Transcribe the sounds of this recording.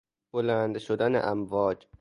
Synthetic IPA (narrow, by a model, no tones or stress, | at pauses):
b̥olænd̪ʃod̪ænḛʔæmvɒːd͡ʒ